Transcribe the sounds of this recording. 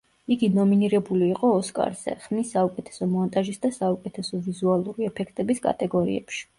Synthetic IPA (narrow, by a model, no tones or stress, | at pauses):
iɡinɔminiɾɛbuliːqʼɔːskʼa̰ɾz̥ɛ̰χmisːaukʼɛt̪ʰɛ̥sɔmɔnt̪ʼaʒisd̪asaukʼɛt̪ʰɛsɔvizualˠuɾiɛpʰɛkʰt̪ʼɛbiskʼa̰t̪ʼɛɡɔɾḭɛ̰pʃi̥